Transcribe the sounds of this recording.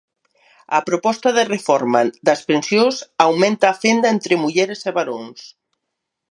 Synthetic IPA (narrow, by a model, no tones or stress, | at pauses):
apɾopɔst̪aðerefɔɾmad̪aspensjosawmẽnt̪aːfend̪aent̪ɾemuʎeɾeseβaɾons